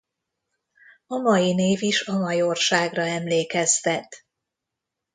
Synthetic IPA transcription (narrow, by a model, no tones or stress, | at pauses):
ɒmɒjineːviʃɒmɒjorʃaːɡrɒɛmleːkɛst̪ɛt̪